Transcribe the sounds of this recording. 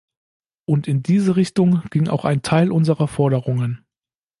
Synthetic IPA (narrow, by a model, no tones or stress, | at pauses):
ʔʊntɪndiːzəʁɪçtʊŋɡ̥ɪŋʔa̰ʊxa̰ɪntʰaɪlʔʊnzəʁɐfɔɐɾəʁʊŋən